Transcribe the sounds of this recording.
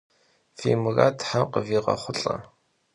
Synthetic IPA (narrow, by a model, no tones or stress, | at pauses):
fiːmɨraːtʰħaqəviːʁɐ̰χʷʊɬʼɐ